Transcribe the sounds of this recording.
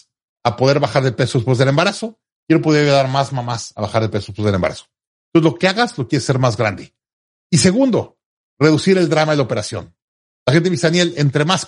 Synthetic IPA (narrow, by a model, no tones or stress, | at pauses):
apo̞ðe̞ɾβaxaɾðepe̞sospwezðele̞mbaɾaso̞ | kje̞ɾo̞p̬oðejaðaɾmazmamasaβaxaɾðepesospwezðelembaɾa̰so̥ | nonselo̞keaɣazlo̞kjeɾesːe̞ɾmazɣɾand̪e̞ | ise̞ɣund̪o̞̰ | re̞ðusiɾe̞ld̪ɾamaðelaope̞ɾasjo̞̰n | laxe̞nt̪̬eβisanje̞lent̪ɾemas